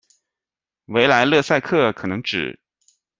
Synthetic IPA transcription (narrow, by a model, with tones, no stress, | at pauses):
we˧˥ɪla˧˥ɪlɤ˥˧sa˥˧ɪkʰɤ˥˩kʰɤ˨˩nɤ˧˥ŋʈ͡ʂɻ̩˨˩˦